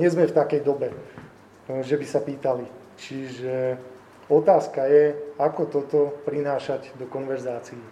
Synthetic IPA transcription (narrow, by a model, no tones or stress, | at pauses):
ɲɛzmɛft̪akɛjd̪ɔbɛ | ʒɛbisapiːt̪ali | t͡ʃiʒɛ | ɔt̪aːskajɛakɔt̪ɔt̪ɔpɾinaːʃaɟd̪ɔkɔnʋɛɾzaːt͡sii